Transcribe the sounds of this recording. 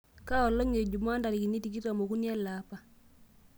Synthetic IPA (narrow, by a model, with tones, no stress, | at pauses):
ka˦ɔ˨lːɔ˦ŋe˨d͡ʒu˨ma˦nda˨ɾi˨ki˨ni˦ti˨ki˦ɾa˨mo˨ku˦nja˦lapa˦